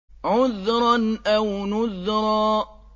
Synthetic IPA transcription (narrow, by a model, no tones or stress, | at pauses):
ʕʊðɾˤɑnʔawnʊðɾˤɑː